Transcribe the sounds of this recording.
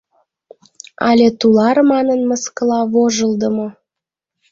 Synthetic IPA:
ɑlʲet̪ulɑrmɑnənməskəlɑβoʒəld̪əmo

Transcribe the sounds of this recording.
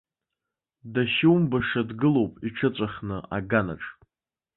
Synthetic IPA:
daʃɪwmbaʂadɡɨlo̞wpʼiʈ͡ʂʰɨt͡sʷʼaχnɨʔa̰ɡana̰ʈ͡ʂʼ

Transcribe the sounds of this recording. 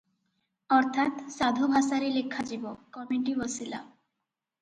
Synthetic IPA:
ɔɾt̪ʰat̪sad̪ʱobʱasaɾilekʰːad͡ʑibokɔmuʈibosila̰

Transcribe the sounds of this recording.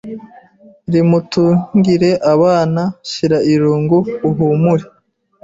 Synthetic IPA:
ɾimutuŋɡiɾe̞ʔaβaːnaʃiɾaiɾuːŋɡuuɦuːmuɾe

